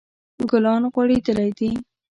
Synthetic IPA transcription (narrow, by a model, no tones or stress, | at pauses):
ɡʊlɑnɣwɑɽid̪əlajd̪i